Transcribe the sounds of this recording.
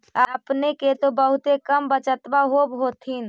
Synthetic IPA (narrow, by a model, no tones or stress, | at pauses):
aəpneket̪obəɦut̪ekəmbət͡ʃət̪baɦobɦot̪ʰin